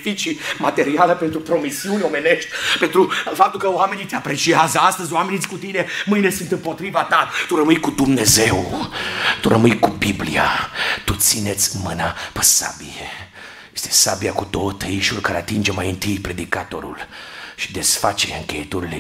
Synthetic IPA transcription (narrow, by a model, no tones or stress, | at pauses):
fit͡ʃimat̪e̞ɾialəpent̪ɾupɾo̞misiunʲo̞me̞ne̞ʃt̪ʲpent̪ɾufap̚t̪ulkəowame̞nit̪eapɾe̞t͡ʃiazəast̪əzʲoamenit̪sʲkut̪ine̞mɨjne̞sɨnt̪ɨmpo̞t̪ɾivat̪at̪uɾəmɨjkud̪umne̞zew | t̪uɾəmɨjkubiblijat̪ut̪sine̞t̪sʲmɨnapə̥sa̰bije | jest̪e̞sabiakud̪oət̪ʰəiʃulkaɾeat̪ind͡ʒe̞majɨnt̪ɨjpɾe̞d̪ikat̪o̞ɾṵlʃi̥d̪e̞sfat͡ʃeɾeɨŋkʲḛjet̪oɾile